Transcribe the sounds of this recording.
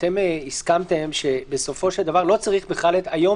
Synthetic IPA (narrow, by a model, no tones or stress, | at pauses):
t̪e̞miskamt̪e̞mʃe̞be̞so̞fo̞ʃeld̪avaʁlo̞t͡saʁiχbeχalet̪ajo̞